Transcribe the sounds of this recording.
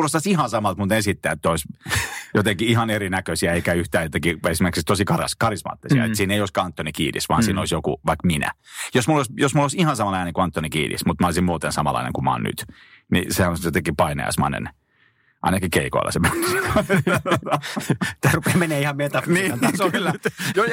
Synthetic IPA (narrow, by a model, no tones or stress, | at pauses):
ulost̪ɑsihɑnsɑmɑlt̪mut̪ensit̪ːæːet̪ːoisjot̪eŋkiihɑneɾinækøsiæeikæyht̪æːjot̪eŋkiesimerksikst̪osikɑrɑ̰skɑrismɑ̰ːt̪ːisiɑ̰et̪siːneijoˑiskɑnt̪ːonikḭːdḭsʋɑ̰ːnsiːnoisjokṵʋɑikminæ̰josmulːoˑisjosmulːoisihɑnsɑmɑlɑineŋkuɑnt̪ːonikḭːdḭsmut̪mɑolisimmuːt̪ensɑmɑ̰lɑ̰inḛŋkumɑ̰ːnny̰t̪ | nḭsehænojot̪eŋkipɑinḛɑ̰smɑ̰nḛn | ʔɑ̰inɑkikeiko̰ilːʔɑ̰semæns | t̪æːrupeːmenːeːihɑmet̪ɑniænt̪ɑsolːæo